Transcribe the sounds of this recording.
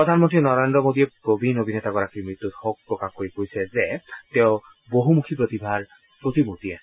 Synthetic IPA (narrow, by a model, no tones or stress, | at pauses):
pɹɔd̪ʱanmɔntɹinɔɹendɔmodiɛpɹobʱinobʱinɛtaɡɔɹakimɹit̪ːutxok̚pɹɔkaxkoɹikoɹjsɛzɛtɛʊ | boɦumukʰipɹot̪ibʱaɹ | pɹot̪imut̪iɛ